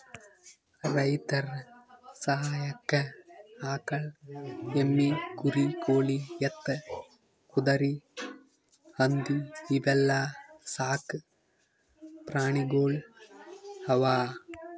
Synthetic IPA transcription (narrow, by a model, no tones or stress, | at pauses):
rɐjt̪ɐrsɐɦaːjɐkːɐaːkɐɭ | emːikuɾikoːɭijɐt̪ːɐ | kud̪ɐɾi | hɐnd̪iːbɐlːaːsaːkɨ | pɾaːɳiɡoːɭ | hɐʋaː